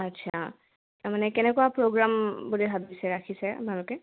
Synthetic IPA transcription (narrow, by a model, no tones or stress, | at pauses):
atːsʰa | taɹmanɛkɛnɛkɔapɹoɡɹambulibʱabisɛɹakʰisɛa̰pnalɔkɛ